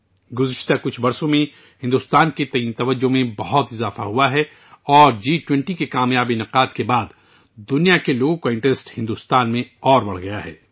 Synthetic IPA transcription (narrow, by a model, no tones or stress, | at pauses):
ɡʊzɪʃt̪akʊt͡ʃʰbɐɾsõmẽ | hɪ̃nd̪uːst̪aːnket̪ɐĩːnt̪ɐʋəd͡ʒːomẽbɐɦʊt̪ɪzaːfa̰ɦuaɦɛ | ɔːɾd͡ʒiːʈwɛ̃ɳʈikekaːmjaːbinɐqaːd̪kebaːd̪ | d̪ʊnijakeloːɡõkoɪ̃ɳʈesʈhɪ̃nd̪uːst̪aːnmẽɔːɾbɐɽ̤ɡɐjaɦɛ̰ː